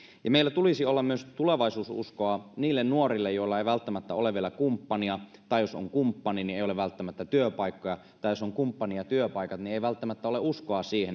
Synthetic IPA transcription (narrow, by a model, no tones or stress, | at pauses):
jɑmeˑilːæt̪ulisiolːɑmmyøst̪uleʋɑisuːsṵskoɑniːlːennuorilːejoˑilːɑeiʋælt̪ːæmæt̪ːæoleʋielækumpːɑniɑt̪ɑˑijoso̰ŋkumpːɑninieˑijoleʋʋælt̪ːæmæt̪ːæt̪yøpɑikːojɑ | t̪ɑijosoŋkumpːɑnijɑt̪yøpɑˑikɑt̪nieiʋælt̪ːæmæt̪ːæoleuskoɑsiːhen